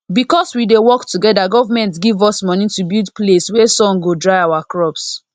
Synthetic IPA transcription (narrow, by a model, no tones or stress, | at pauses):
bikɔswidewɔktuɡɛdaɡɔvamɛ̃ntɡivɔsmɔ̃nĩtubidpleswɛsɔ̃ŋɡodɹaɪaʊwakɹɔps